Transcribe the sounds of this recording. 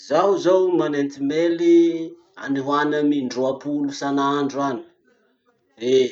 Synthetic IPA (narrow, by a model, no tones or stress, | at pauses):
zawzowmanent̪imeli | a̰niɦwanəmiɳɖ͡ʐoapulusanaɳɖ͡ʐuani̥ | re